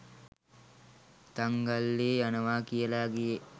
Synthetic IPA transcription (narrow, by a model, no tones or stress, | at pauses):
t̪aŋɡalːeːanəʋaːkijəlaːɡeje